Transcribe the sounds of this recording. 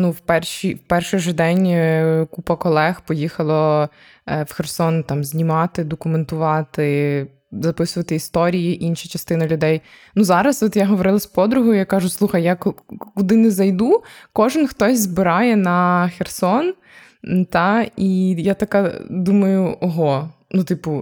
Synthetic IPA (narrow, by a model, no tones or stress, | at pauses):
nuwpɛrʃiwpɛrʃɪʒɛd̪ɛnʲkupɐkɔlˠɛxpɔjixɐlˠɔ | wxersɔnt̪ɑmzʲnʲimɑt̪ɪd̪ɔkʊment̪ʊʋɑt̪ɪ | zɐpɪsʊʋɐt̪ɪist̪ɔɾʲijiʔinʃɐt͡ʃɐst̪ɪnɐlʲʊd̪ɛj | nuzɑɾɐsɔt̪jaɦɔʋɔɾɪlˠɐspɔd̪ɾʊɦɔjʊjakɑʒʊslˠuxɐjjakkʊd̪ɪnɛzɐjd̪ukɔʒɪnxt̪ɔsʲzbɪɾɑjɛnɐxersɔn | t̪ɑijat̪ɐkɑd̪umɐjʊʔɔɦɔnut̪ɪpʊ